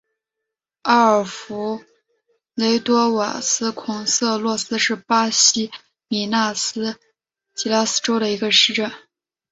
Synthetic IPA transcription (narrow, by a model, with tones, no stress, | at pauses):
a˥ə˞˨˩fu˧˥ | le˧˥ɪt̪wɔ˥wa̰˨˩sɹ̩˥kʰʊ˨˩ŋsɤ˥˧lwɔ˥˩sɹ̩˥ʂɻ̩˥˩pa˥ɕi˥ | mi˨˩na˥˩sɹ̩˥ | t͡ɕi˧˥la˥sɹ̩˥ʈ͡ʂo˥ʊɾə˨i˧˥ɡə˧ʂɻ̩˥˧ʈ͡ʂə˥˩n